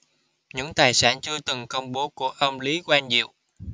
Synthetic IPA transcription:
ɲɨ̰˧˥ŋt̪aː˨˩jsa̰ː˧˩nt͡ɕɨ˧ət̪ɨ˨˩ŋkə˧wŋ͡mɓo˨˦ku˧˩əʔə˧mli˨˦kwaː˧nzḭ˧˨əw

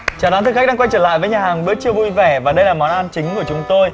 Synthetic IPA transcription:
t͡ɕaː˨˩t̪a˨˦t̪ʰɨ˨˩kxa˥k̚ɗaː˧kwjt͡ɕəː˧˩la̰ː˧˨jvəː˨˦ɲaː˨˩haː˨˩ŋɓɨ˦˥ək̚t͡ɕɨ˧əvṵ˧˨jvɛ˧˩vaː˨˩ɗə˧jlaː˨˩mɔ˨˦nʔaː˧nt͡ɕï˨˦ŋ̟ku˧˩ət͡ɕʊ˨˦ŋ͡mt̪o˧j

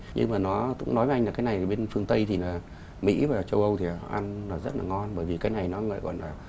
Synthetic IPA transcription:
ɲɨ̰˧ŋmaː˨˩nɔ˨˦kʊ̰˧˥ŋ͡mnɔ˨˦jve˧˦ʔŋ̟laː˨kaː˨˦jna˨˩jɓe˧nfɨ˧əŋt̪ə˧jt̪ʰi˨˩naː˨˩ | mḭ˧˥vaː˨˩t͡ɕə˧wʔə˧wt̪ʰi˨˩˨ʔa˧nnɔ˨˩zə˦˥t̚laː˨˩ŋɔ˧nɓəː˧˩jvi˨˩kaː˨˦jna˨˩jnɔ˨˦ŋə̰˧˨kɔ̰˧˨nlaː˨˩

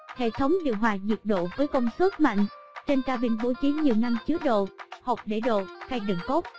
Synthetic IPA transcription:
hḛ˧˨t̪ʰə˨˦wŋ͡mɗḭ˧˨əwɦwaː˨˩zi˨˩k̚ɗo̰˧˨vəː˨˦jkə˧wŋ͡mswə˦˥t̚ma̰˧˨jŋ̟t͡ɕe˧nkaː˧ɓi˧nɓo˧˦t͡ɕi˨˦ɲi˨˩əwna˧mt͡ɕɨ˦ək̚ɗo̰˧˨ho˨˩p̚ɗe˧˩ɗo̰˧˨xa˧jɗɨ̰˧˩ŋko˦˥p̚

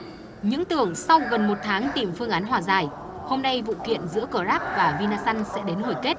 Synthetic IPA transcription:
ɲɨ̰˧˥ŋt̪ɨ˨˩əŋsa˧wɣə˨˩nmo˨˩t̚t̪ʰaː˨˦ŋt̪i˨˩mfɨ˧əŋʔaː˨˦nɦwaː˨˩zaː˨˩j | ho˧mna˧jvṵ˧˨kwḭ˧˨ənzɨ̰˧˥əkə˧˩zaː˦˥p̚vaː˨˩vi˧naː˧sa˧nsɛ̰˧˥ɗe˨˦nho˨˩jke˦˥t̚

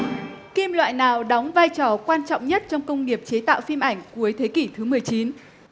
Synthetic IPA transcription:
ki˧mlwa̰ː˧˨jnaː˨˩wɗɔ˨˦wŋ͡mvaː˧jt͡ɕɔ˧˩kwaː˧nt͡ɕɔ̰˧˨ŋ͡mɲə˦˥t̚t͡ɕɔ˧wŋ͡mkə˧wŋ͡mŋi˨˩əp̚t͡ɕe˨˦t̪a̰ː˧˨wfi˧mʔa˧˩jŋ̟ku˨˦əjt̪ʰe˨˦ki˧˩t̪ʰɨ˨˦mɨ˨˩əjt͡ɕi˨˦n

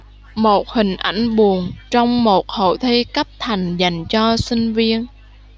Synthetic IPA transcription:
mo˨˩t̚hï˨˩ŋ̟ʔa̰˧˩jŋ̟ɓu˨˩ənt͡ɕɔ˧wŋ͡mmo˨˩t̚ho̰˧˩t̪ʰi˧kə˦˥p̚t̪ʰa˨˩jŋ̟za˨˩jŋ̟t͡ɕɔ˧sï˧ŋ̟vi˧ən

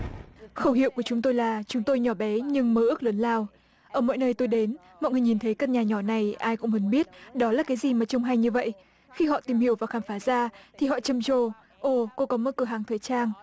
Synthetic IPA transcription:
xə˧whḭ˧˨əwku˧˩ət͡ɕʊ˨˦ŋ͡mt̪o˧jlaː˨˩t͡ɕʊ˨˦ŋ͡mt̪o˧jɲɔ˧˩ɓɛ˨˦ɲɨ˧ŋməː˨˦ʔɨ˦˥k̚ləː˨˦nlaː˧w | ʔəː˧˩mo̰˧˨jnəː˧jt̪o˧jɗe˨˦n | mɔ̰˧˨jŋɨ˨˩ɲi˨˩nt̪ʰə˨˦jkə˧n̚ɲaː˨˩ɲɔ˧˩na˨˩jʔaː˧jkʊ̰˧˥ŋ͡mmu˨˦nɓi˦˥ət̚ɗɔ˨˦laː˨˩kaː˨˦jzi˨˩maː˨˩t͡ɕɔ˧wŋ͡mɦa˧jɲɨ˧və̰˧˨jʔ | xi˧ɦɔ̰˧˨t̪i˨˩mhi˧˩əwvaː˨˩xaː˧˩mfaː˨˦zaː˧t̪ʰi˨˩ɦɔ̰˧˨t͡ɕə˨˩mt͡ɕo˨˩ | ʔo˧˩ko˧kɔ˨˦mo˧˨˩t̚kɨ˨˧˩ɦaː˨˩ŋt̪ʰəː˨˩jt͡ɕaː˧ŋ

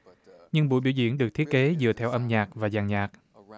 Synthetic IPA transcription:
ɲɨ˧ŋɓṵ˧˥˨jɓḭ˧˩wzḭ˧˨ənɗɨ˨˩ək̚t̪ʰi˦˥ət̚ke˨˦zɨ˨˩ət̪ʰɛ˧wʔə˧mɲaː˨˩k̚vaː˨˩zaː˨˩ŋɲaː˨˩k̚

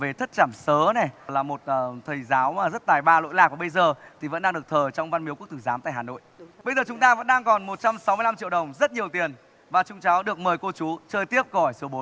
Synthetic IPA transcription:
ve˨˩t̪ʰə˦˥t̚t͡ɕaː˧˩msəː˨˦nɛ˨˩laː˨˩mo˨˩t̚ːt̪ʰə˨˩jzaː˨˦waː˨˩zə˦˥t̚t̪aː˨˩jɓaː˧˩lo̰˧˨jlaː˨˩k̚vaː˨˩ɓə˧jzəː˨˩t̪ʰi˨˩və̰˧˥nɗaː˧ŋɨ˨˩ək̚t̪ʰəː˨˩t͡ɕɔ˧wŋ͡mva˧nmi˨˦k̚t̪ʰɨ˧˩zaː˨˦mt̪a̰ː˧˨haː˨˩no̰˧˨jɓə˧jzəː˨˩t͡ɕʊ˨˦ŋ͡mt̪aː˧və̰˧˥nɗaː˧ŋkɔ˨˩nmo˨˩t̚t͡ɕa˧msa˨˦wm˧la˧mt͡ɕḭ˧əɗə˨˩wŋ͡mzə˦˥t̚ɲi˨˩əwt̪i˨˩ən | vaː˨˩t͡ɕʊ˨˦ŋ͡mt͡ɕɔ˨˦wɗɨ˨˩ək̚məː˨˩jko˧t͡ɕu˨˦t͡ɕəː˧jt̪i˦˥əp̚ɣɔ˧˩jso˨˦ɓo˨˦

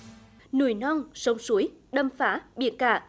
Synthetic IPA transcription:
nṵ˧˩jnɔ˧nsə˨˦wŋ͡msu˨˦jɗə˧mfaː˨˦ɓḭ˧˨ənka̰ː˧˩

